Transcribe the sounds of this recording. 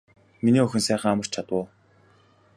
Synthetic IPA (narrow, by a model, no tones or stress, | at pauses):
miniːɵxʲɵ̆nsæːχə̆ŋamə̆r̥t͡ɕt͡ɕʰat̪wʊː